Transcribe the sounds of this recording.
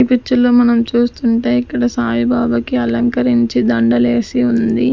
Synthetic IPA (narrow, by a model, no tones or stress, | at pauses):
ipit͡ʃːuloːmɐnɐmt͡ʃuːst̪uɳʈeːikːɐɽɐsaːjibʱaːbɐkiɐlɐŋkɐɾiɲt͡ʃid̪ɐɳɖɐle̞ːsiund̪i